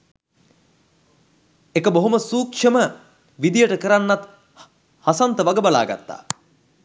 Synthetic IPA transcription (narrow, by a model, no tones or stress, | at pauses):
ekəboɦoməsuːkʂəmə | ʋid̪ijəʈəkəɾanːat̪ | hasant̪əʋaɡəbala̰ːɡa̰t̪ːa̰ː